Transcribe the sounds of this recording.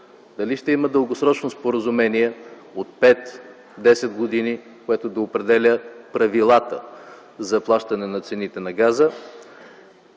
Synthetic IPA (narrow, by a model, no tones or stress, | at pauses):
d̪ɐliʃt̪ɛiməd̪əlˠɡosɾɔt͡ʃnospoɾəzumɛniɛ | ot̪̚pɛt̪ | d̪ɛsɛd̪ɡod̪ini | koɛt̪od̪ɐopɾɛd̪ɛlʲəpɾɐvilˠat̪ə̰ | zɐplˠaʃt̪ɐnɛnɐt̪sɛnit̪ɛnɐɡazə